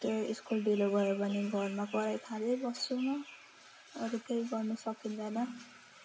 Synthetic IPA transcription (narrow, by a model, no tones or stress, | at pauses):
t̪oiskulɖiloɡʌjepʌniɡʱʌrmakʌɾajt̪ʰalebʌsoma | ʌɾik̪ejɡʌrnʌsʌkind̪ʌnʌ